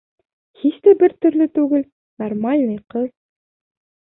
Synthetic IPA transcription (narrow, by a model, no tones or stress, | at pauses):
hiʃt̪æbɘɾt̪ɵ̆ɾlɵt̪ʉɡɘl | nɐrmalʲnɤjqɤl